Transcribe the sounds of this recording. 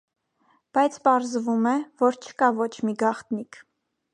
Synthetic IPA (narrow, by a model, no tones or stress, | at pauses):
b̥ɑjt͡sʰpɑɾzvumɛvɔɾt͡ʃʰə̥kɑvɔt͡ʃʰmiɡɑχt̪nikʰ